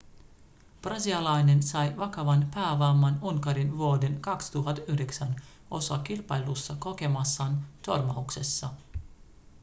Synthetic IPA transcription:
prɑsiɑlɑjne̞nsɑjʋɑkɑʋɑnpæːʋɑːmːɑnuŋkɑɾinʋuode̞nkɑkst̪uɦɑt̪ːyhdeksæn | o̞sɑkilpɑjlusːɑko̞ke̞mɑsːɑːnt̪o̞rmɑukse̞sːɑ

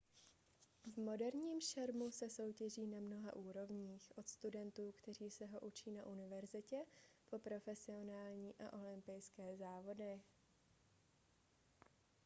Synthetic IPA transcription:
vmo̞dɛɾɲiːmʃɛɾmusɛso̞wcɛʒiːnamno̞ɦa̰ʔuːɾo̞vɲiːxʔo̞t̪st̪udɛnt̪uːkt̪ɛr̝iːsɛɦo̞ʔut͡ʃiːnaʔunɪvɛɾzɪcɛpo̞pɾo̞fɛsɪo̞naːlɲiːʔa̰ʔo̞lɪmpɪjskɛːzaːvo̞dɪ

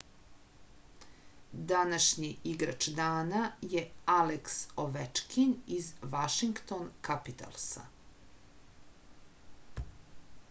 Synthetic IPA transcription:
d̪anaʃɲiʔiɡɾat͡ʃd̪aːnajealeksoʋet͡ʂkʰinizʋaʃiŋkt̪onkapit̪a̰lˠsa̰

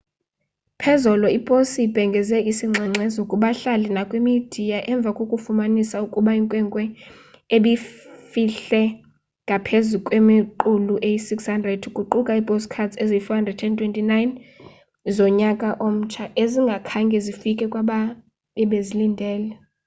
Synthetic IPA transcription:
pʰɛzɔlɔipʼosib̥ʱɛŋɡʱɛzɛisiŋ͡ǀʱɛŋ͡ǀʱɛzokʼuɓaɬalinakʼwimid̥ʱijaʔɛɱb̪vʱakʼokʼufumanisaukʼuɓaiŋkʼwɛŋkʼwɛ | eɓifiɬɛ | ŋɡʱapʰezukʼwemiǃuluʔejisikshandʱrɛdukʼuǃukʼaipʼoskʰadeziifɔhandrɛdtʰɛntʰwɛntʼinajn | zɔɲakʼaʔom̩t͡ʃʰaʔeziŋɡʱakʰaŋɡʱɛzifikʼɛkʼwaɓa | ɛɓezilindʱɛːlɛ

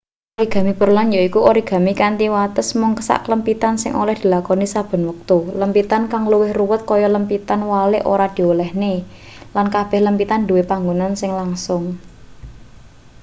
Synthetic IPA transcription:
ʔoɾiɡ̥ä̤mipəɾulanjaikuoɾiɡ̥a̤mikant̪iwat̪əsmʊŋkəsa̰ʔkələmpit̪ansɪ̰ŋʔo̰lɛhd̪̥i̤lakɔnisab̥ə̤nwək̚t̪uləmpit̪ankaŋluwɪhruwət̪̚kɔjɔləmpit̪anwalɪʔo̰ɾad̪̥i̤olɛhne | lankab̥ɛhləmpit̪anduwepaŋɡunansɪŋlaŋsʊŋ

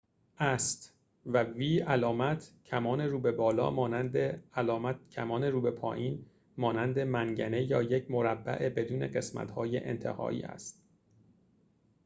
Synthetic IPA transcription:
ʔæst̪ | væviːælɒːmæt̪ʰcʰæmɒːneɾuːbe̞bɒːlɒ̰ːmɒːnænd̪eælɒːmæt̪̚cʰæmɒːneɾuːbe̞pʰɒ̰ːjiːn | mɒːnænd̪e̞mæŋɟæne̞jɒːjecʰmo̞ɾæbːæ̰ʔebe̞d̪uːne̞̰ɢe̞smæ̰t̪hɒːjḛʔḛnt̪ʰḛhɒ̰ːḭːæ̰st̪̚

